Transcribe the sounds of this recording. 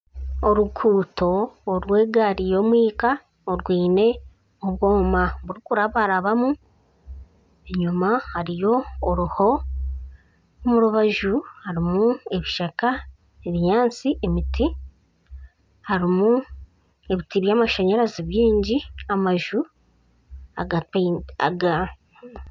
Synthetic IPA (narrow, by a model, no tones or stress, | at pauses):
o̞ɾukʰuːto̞ːɾwe̞ːɡaːɾijo̞ːmwiːka | oɾɡwiːne̞ | oβwo̞ːmaβuɾikuɾaβaɾaβamu | e̞ɲumahaɾijo̞ːɾuho̞ | omuɾuβaʒuhaɾimue̞βiʃaka | eβiɲaːnt͡siʔemiti | haɾimu | e̞βitiβjaːmaʃaɲaɾaziβjiːɲɟiamaʒu | a | ɡa